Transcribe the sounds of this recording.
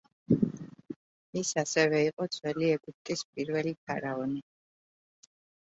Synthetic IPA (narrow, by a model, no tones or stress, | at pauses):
isasɛvɛiqʼɔd̪z̥ʰʼwɛliɛɡup̚t̪ʼispʼiɾvɛlipʰaɾaɔni